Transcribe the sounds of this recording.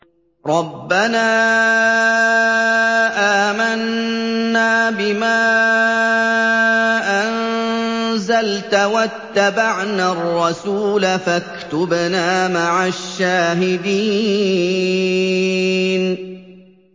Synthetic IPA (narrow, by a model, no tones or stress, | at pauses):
ɾˤɑbːanaː | ʔaːmanː | aːbɪmaː | ʔan | zalt̪awat̪ːabaʕnaːrˤːɑsuːlafakt̪ʊbnaːmaʕaʃːaːɦɪd̪iː | n